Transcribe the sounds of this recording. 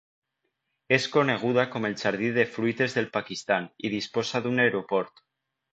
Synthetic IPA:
eskoneɣ̞uð̞akome̞lt͡ʃaɾð̞iðefɾuit̪e̞zðe̞lpakist̪anið̞isposaðuneɾopoɾt̪

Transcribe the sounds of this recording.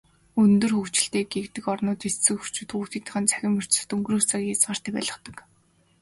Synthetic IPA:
ɵnt̪ɵ̆rxɵkt͡ɕɪ̆ɬt̪eːɡekt̪ɘ̆kɔrnʊːt̪issɘ̆kxu̥r̥t͡ɕuːt̪uːt̪ĭːt̪ə̆χə̆nt͡sʰæ̥xʲɪ̆mɵr̥t͡ɕsɘ̥̆t̪ɵŋɡrɘ̆xt͡sakʲiat͡swaːr̥t̪æːpæ̰ːɮə̆χt̪ə̆k

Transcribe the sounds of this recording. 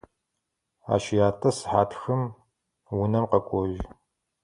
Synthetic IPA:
a̰ːʃɪjaːtʼɐsɨ̥ħaːtʰxɨm | wʊnɐmqɐkʷʼɔʒ

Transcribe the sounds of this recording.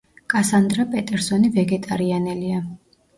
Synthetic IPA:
kʼasand̪ɾapʼɛt̪ʼɛɾsɔnivɛɡɛt̪ʼaɾianɛlia

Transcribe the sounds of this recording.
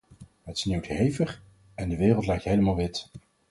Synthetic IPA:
ɦətɪ̥snewtɦejvəχ | ɛndəʋɪːrəlˠtlɛjk̚tɦejləmalˠʋɪt

